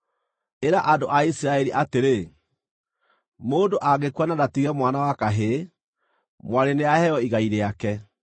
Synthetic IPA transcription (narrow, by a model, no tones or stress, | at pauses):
eɾaʔadoʔaisiɾaɛɾiʔateɾe | moːdoʔaɣekwananatiɣɛmwanawakaɦe | mwaɾeneahɛjɔiɣaiɾeakɛ